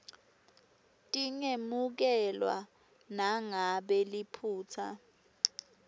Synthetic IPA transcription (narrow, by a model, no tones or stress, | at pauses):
tʼiŋemuk̬ɛlwa̰ | naŋaɓɛlipʰuːt͡sʰa̰